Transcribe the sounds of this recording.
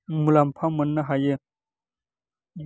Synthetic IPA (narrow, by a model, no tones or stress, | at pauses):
mulampʰamənːaɦaje